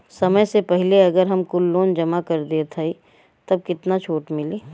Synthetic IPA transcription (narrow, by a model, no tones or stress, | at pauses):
sɐməjsepɛɦleɐɡəɾɦɐmkʊlːoːnd͡ʒɐmakɐɾd̪iet̪ʰai | t̪ɐb̚kɪt̪nat͡ʃʰoːʈmɪleː